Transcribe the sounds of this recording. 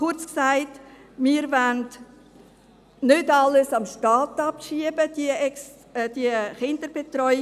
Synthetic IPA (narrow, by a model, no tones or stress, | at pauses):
ʊɾt͡sksaɪtmiːɾvænd | nʏdɑləsɑmʃtɑːtɑpʃiəbəd̥iɛs | d̥iəχɪndəɾb̥etrɔʏ